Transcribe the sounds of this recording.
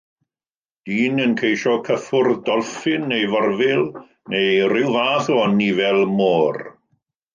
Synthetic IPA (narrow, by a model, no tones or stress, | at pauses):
d̥iːnənkʰejʃɔkʰəfʊrdɔlˠfɪnːejvɔrvɪlˠ | nejrɪwvaːθɔɔnivɛlˠmoːr